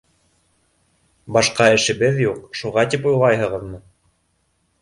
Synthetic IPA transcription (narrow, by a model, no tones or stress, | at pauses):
bɑʃqɑɘ̆ʃɘ̆βɘðjuqʃuʁɑt̪ipujlˠɑjhɤ̆ʁɤðmɤ